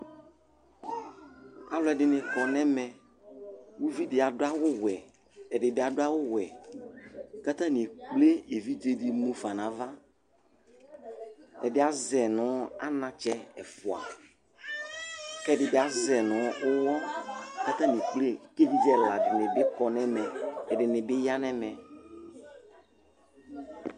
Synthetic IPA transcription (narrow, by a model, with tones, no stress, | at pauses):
a˨lɛ˨ɖɪ˨nɪ̃˨kɔ˨nɛ̃˦mɛ˨ | wu˦vi˦dɪ˨a˨dʊ˦a˦wʊ˦wɛ˨ | ɛ˨ɖɪ˨bɪ˦a˨dʊ˦a˦wʊ˦wɛ˨ | ka˦t̪a˦nɪ̃˨k͡ple˦e˨vi˦d͡ʒe˦di˨mũ˦fa˨nã˨va˦ | ɛ˨dɪ˦a˨zɛ˨nʊ̃˨˦a̰˦nã˨t͡ʃɛ˦ɛ˨fʊ˨a̰˨ | kɛ˦˨dɪ˨bɪ˦a˨zɛ˨nʊ̃˨˦ʊ˦wɔ˦ka˦t̪a˦nĩ˨k͡ple˦ke˦vi˦d͡ʒɛ˦la˨dɪ˨nɪ̃˨bɪ˦kɔ˨nɛ̃˦mɛ̃˨ɛ˨ɖɪ˨nɪ̃˨bɪ˦ja˦nɛ̃˦mɛ̃˨